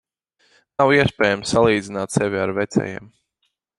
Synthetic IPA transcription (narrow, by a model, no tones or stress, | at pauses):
nawiɛspʲɛːjamsːalˠiːd̪zinaːt̪sɛvʲiaɾvɛt̪sɛ̰jiɛːm